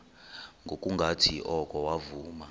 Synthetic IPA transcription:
ŋɡʱokʼuŋɡʱatʰiʔɔkʼɔwavuːma

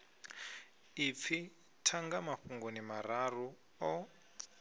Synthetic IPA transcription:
ip̪fʰi | tʰaŋɡamaɸuŋɡɔnimaɾaru | ɔ

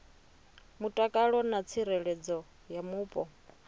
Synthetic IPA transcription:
mutʼakʼaɺɔnat͡sʰiɾɛɺɛd͡zɔ | jamuːpʼɔ

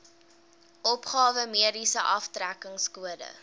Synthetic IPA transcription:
ʔɔpχɑːvəmiədisəʔɐftrækəŋskuədə̰

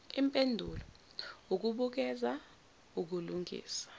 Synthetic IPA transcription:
impʼendʱulɔ | uk̬uɓuk̬ɛza | uk̬uluŋʱḭːsḁ

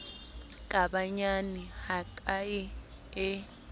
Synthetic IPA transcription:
kʼaɓaɲanihakʼaji | ɛ

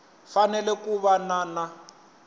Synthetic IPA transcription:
fanɛlɛkuβanana

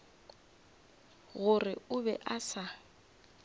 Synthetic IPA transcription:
ɣʊrɪʊbɛʔasa

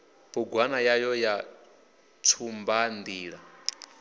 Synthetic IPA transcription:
buɡwanajajɔja | tʰumband̪iːɺa

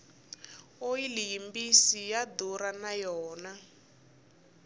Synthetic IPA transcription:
ojilijimbisijad̪uɾanajɔːna

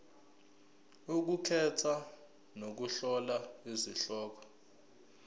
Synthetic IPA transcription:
uk̬ukʰɛtʰa | nok̬uɬɔlaiziɬɔːk̬ɔ̥

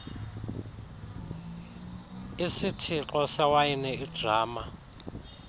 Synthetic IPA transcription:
isitʰiǃʼɔsawainɛid̥raːma

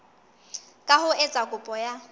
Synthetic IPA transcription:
kʼahʊɛt͡sʼakʼʊpʼɔja

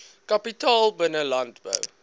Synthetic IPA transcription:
kapitɑːlˠbənəlantbə̰w

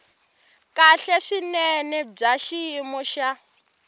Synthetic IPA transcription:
kʼaɬɛʂinɛnɛb͡ʐaʃiːmɔʃa

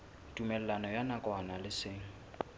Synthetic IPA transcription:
tʼumɛlɛlanɔjanakʼwanalɪsɪŋ̩

